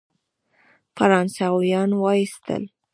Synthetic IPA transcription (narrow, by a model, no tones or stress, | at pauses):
faɾɑnsɑwjɑnwɑist̪ə̰l